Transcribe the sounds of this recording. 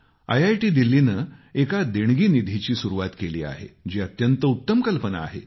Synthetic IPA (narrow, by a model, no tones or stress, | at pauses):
ə̰jajʈiːd̪ilːinəekad̪eɳɡiːnid̪ʱit͡ɕiːsuɾuʋat̪kelḭːa̰ɦḛd͡ʑiːət̪jənt̪əut̪ːəmkəlpəna̰ːɦḛ